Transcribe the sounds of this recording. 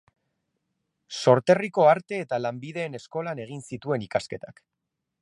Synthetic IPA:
so̞ɾt̪e̞riko̞aɾt̪e̞ːt̪alambið̞e̞ːne̞sko̞lane̞ɣ̞insit̪ue̞nikaske̞t̪ak

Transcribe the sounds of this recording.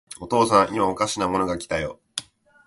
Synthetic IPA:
o̞t̪o̞ːsãɰ̃ʔimaokaɕinamo̞no̞ɡakʲi̥t̪ajo̰

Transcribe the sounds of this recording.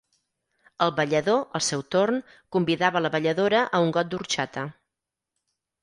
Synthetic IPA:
əlˠβəʎəðoʔəlˠsɛwt̪orn | kumbiðaβələβəʎəðoɾəʔəuŋɡɔt̪̚d̪uɾt͡ʃat̪ə

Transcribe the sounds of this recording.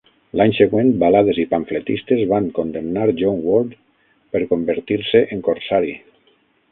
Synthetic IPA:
laɲseɣwent̪̚balaðezipaɱflet̪ist̪ezβaŋkond̪emnaɾʒoŋwold̪ | peɾkombəɾt̪iɾseʔeŋkoɾsaɾi

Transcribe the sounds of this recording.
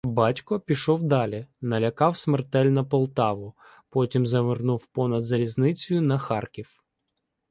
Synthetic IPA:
bɑtʲkɔpʲiʃɔwd̪ɑlʲinɐlʲɐkɑwsmert̪ɛlʲnɐpɔlˠt̪ɑʋʊ | pɔtʲimzɐʋɪrnuwpɔnɐd̪zɐlʲiznɪt͡sʲʊjʊnɐxɑrkʲiw

